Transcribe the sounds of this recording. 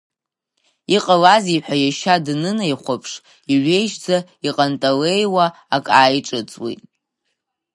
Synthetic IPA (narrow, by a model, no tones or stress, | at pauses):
iqʼalaziħʷᶣajaʃadnɨnejχʷapʰʂ | iʕʷe̞jʃd͡za | iqʼantʼale̞jwaː | kʼaːjʈ͡ʂʼɨt͡sʼwḭtʼ